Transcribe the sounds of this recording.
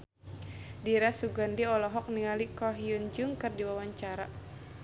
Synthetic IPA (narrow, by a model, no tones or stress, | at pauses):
diɾasuɡandiɔlɔɦɔk̚niŋalikɔɦiund͡ʒuŋkɨrdiwawaɲt͡ʃaɾa